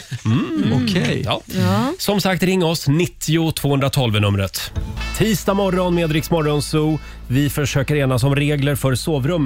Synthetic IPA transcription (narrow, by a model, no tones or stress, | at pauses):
ɔkʰɛjjɑːsɔmsak̚t̪ɾɪŋːɔsnɪt̪ʰːɪʊt̪ʰv̥oːɵnd̪ɾat̪ʰɔlvənɵmɾət̪t̪ʰːiːst̪amɔɾːɔnmeːd̪ɾɪksmɔɾːɔnsuː | vɪfœʂøːkəɾeːnas̬ɔmɾeːɡləɾfœɾsoːvɾɵmː